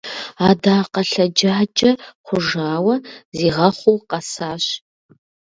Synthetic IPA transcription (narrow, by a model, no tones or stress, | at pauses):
aːdaːqɐɬɐd͡ʒaːd͡ʒʼɐχʷʊʒaːwɐziːʁɐχʷuwqɐsaːɕ